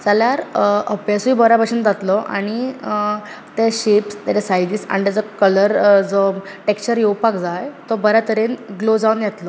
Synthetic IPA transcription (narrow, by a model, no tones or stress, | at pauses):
t͡saljaɾəpjasuibəɾabəɕind͡zat̪lɔʔa̰ɽ̃i | t̪eɕepst̪at͡ɕasajd̪iːsa̰ɽ̃it̪jad͡zɔkələɾd͡zɔ | ʈekt͡ɕəɾjewpakd͡zajt̪ɔbəɾjat̪əɾenɡlod͡zaʋunjɛt̪lɔ